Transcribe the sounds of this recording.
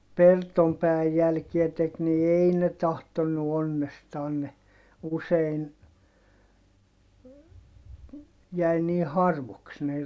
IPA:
pertom pæːæj jælkiæ tek ni ei ne tɑhtonːu onːestɑːn ne usein jæi niː hɑrʋoks ne

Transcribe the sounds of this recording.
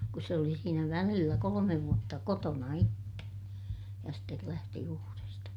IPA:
kus se oli siːnæ ʋælilːæ kolomeʋ ʋuotːɑ kotonɑ itːe jɑ stel læhti uːrestɑ

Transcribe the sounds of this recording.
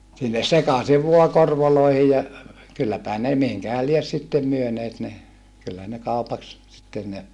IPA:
sinːes sekɑsiʋ ʋuɑ korʋoloihi jɑ kylːæpæhæ ne mihiŋkæhæl lies sitːem myøneːt ne kylːæ ne kɑupɑks sitːen ne

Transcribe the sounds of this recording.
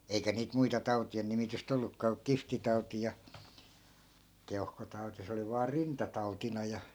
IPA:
eikæ niːt muitɑ tɑu̞tien nimityst olːukːɑː ku kiftitɑuti jɑ keuhkotɑuti se oli ʋɑː rintɑtɑutinɑ jɑ

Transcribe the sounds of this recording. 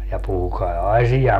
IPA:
jɑ puhukɑi ɑsijɑ

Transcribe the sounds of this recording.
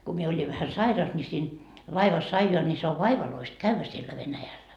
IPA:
ku mie olʲiʋ ʋæhæ sɑirɑs ni siːn lɑiʋɑs ɑijoɑ ni se oʋ ʋɑiʋɑloist kæʋːæ sielːæ ʋenæjælːæ

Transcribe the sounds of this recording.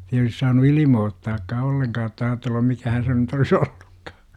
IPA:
ei olis sɑːnu ilimoːtːɑːkːɑː olːeŋkɑː otːɑ ɑːtelːum mikæhæn se nyt olis oll̥u̥kːɑ̥ː

